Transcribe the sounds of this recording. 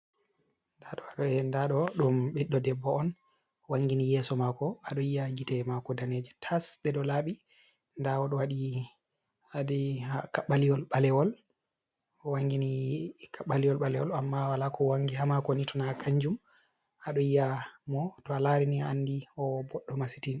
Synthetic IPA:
ndaɗɔaɗɔɛndaɗɔɗumɓiɗːɔdɛbːɔɔn | waŋɡinijɛːsɔmakɔaɗɔijaɡitɛmakɔdaned͡ʒɛtʰasɗɛɗɔlaɓi | ndawɔɗɔwaɗi | adɛakaɓːalijɔlɓalɛwɔl | ɔwaŋɡinikaɓalijɔlɓalɛwɔ̰lamːawalakɔwaŋɡihamakɔnitʰɔnakʰaɲd͡ʒum | aɗɔijamɔtɔalaɾinianːdiɔbɔɗːɔmasi̥tin

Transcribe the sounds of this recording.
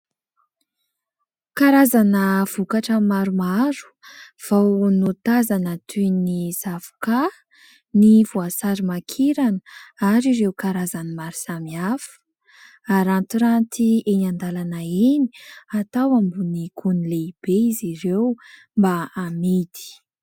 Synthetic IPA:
kaɾazanəv̥ukaʈ͡ʂəmaɾumaɾu̥v̥awnot̪azanət̪ʰinisavu̥ka | nivuasaɾimakʰiɾanə̥aɾiɾewkaɾazanimaɾuz̥amiafə̥ | aɾant̪uɾant̪ienand̪alanaeni̥at̪awambuniɡunileib̥eizirew | mbaːmid̪i̥

